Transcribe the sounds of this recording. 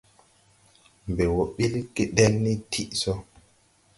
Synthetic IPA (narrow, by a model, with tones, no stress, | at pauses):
mbe˨wo˨ɓi˦lki˦ɗe˦lni˦tʰi˦ʔso˦